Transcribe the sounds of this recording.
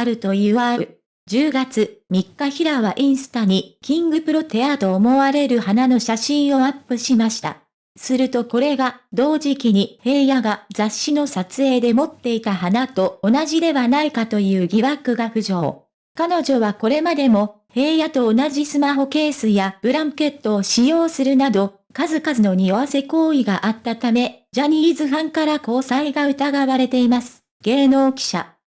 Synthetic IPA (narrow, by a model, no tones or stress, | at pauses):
aɾɯ̟t̪o̞iβaɯ | d͡ʑɨːɡat͡sɨmʲikːaçiɾaβaʔĩɰ̃sɨ̥t̪aɲ̟ikʲĩŋɡɯ̟pɯ̟ɾo̞t̪e̞at̪o̞ːmo̞βaɾe̞ɾɯ̟hanano̞ɕaɕĩɰ̃o̞apːɯ̟ɕimaɕi̥t̪a̰ | sɨɾɯ̟t̪o̞ko̞ɾe̞ɡad̪o̞ːʑikʲiɲ̟ihe̞ːjaɡad͡zaɕːino̞sat͡sɨe̞ːd̪e̞mo̞t̪ːe̞it̪ahanat̪o̞ːnaʑid̪e̞βanaikat̪o̞jɯ̟ːɡʲiβakɯ̟ɡaɸɯ̟ʑo̞ː | kano̞ʑo̞βako̞ɾe̞mad̪e̞mo̞ | he̞ːjat̪o̞ːnaʑisɨmaɦo̞ke̞ːsɨjab̥ɯ̟ɾãŋke̞t̪ːo̞ːɕijo̞ːsɨɾɯ̟nad̪o̞ | kazɨkazɨno̞ɲ̟io̞βase̞ko̞ːiɡaʔat̪ːat̪ame̞ʑaɲ̟izɨɦãŋkaɾako̞ːsaiɡaɯ̟t̪aɡaβaɾe̞t̪e̞imasɨ̥ | ɡ̥e̞ːno̞ːkʲi̥ɕa̰